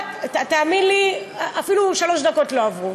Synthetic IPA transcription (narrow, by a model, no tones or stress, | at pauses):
tat̪aːminliʔafiluʃalo̞ʃd̪ako̞tlo̞avʁu